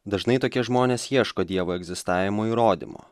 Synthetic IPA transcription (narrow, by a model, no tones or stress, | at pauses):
d̪ɐʒnɐɪt̪oːkʲɛʒmoːnʲeːsjiɛʃkoːd̪ʲiɛʋoːɛɡʲzʲɪst̪ɑːʋʲɪmoːiːɾoːd̪ʲḭmo̰ː